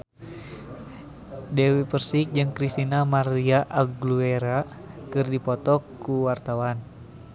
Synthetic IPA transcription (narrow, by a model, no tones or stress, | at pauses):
dɛwipərsik̚d͡ʒɨŋkɾist̪inamaɾiaʔaɡluɛɾa | kɨrdipɔt̪ɔkːuwart̪awan